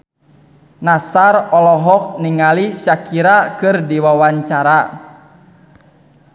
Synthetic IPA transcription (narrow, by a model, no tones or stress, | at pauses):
nasarɔlɔɦɔk̚niŋaliʃakiɾakɨrdiwawaɲt͡ʃaɾa